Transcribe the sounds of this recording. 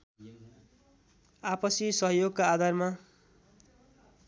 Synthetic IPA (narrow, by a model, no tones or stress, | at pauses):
apʌsisʌɦʌjoɡkaːd̪ʱarma